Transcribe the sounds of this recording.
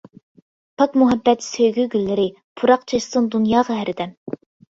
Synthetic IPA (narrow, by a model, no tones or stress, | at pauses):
pʰɑkmuɦɛbːɛt̪søjɡʲyɡʲylːɪɾɪ | pʰuɾɑqt͡ʃʰɑʃt̪ɨnd̪unjɑːʁɑɦæɾɪd̪ɛm